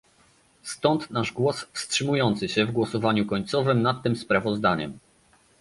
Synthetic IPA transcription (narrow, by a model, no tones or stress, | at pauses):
st̪ɔnt̪naʐɡwɔsfstʂɘmujɔnt̪sɘɕɛvɡwɔsɔvaɲukɔɲt̪sɔvɘmnat̪ːɘmspɾavɔzd̪aɲɛ̰m